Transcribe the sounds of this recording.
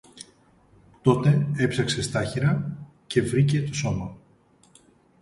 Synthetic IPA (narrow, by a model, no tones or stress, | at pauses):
t̪o̞t̪e̞e̞psɐkse̞st̪ɐçiɾɐ | ce̞vɾice̞t̪o̞so̞mɐ